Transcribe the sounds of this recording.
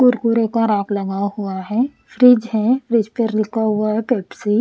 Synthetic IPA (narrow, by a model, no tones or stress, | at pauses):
kʊɾkuɾekaɾaːklɐɡaɦuaɦɛ | fɾɪd͡ʒɦɛfɾɪd͡ʒpəɾlɪkaɦʊaɦɛkɛːpsi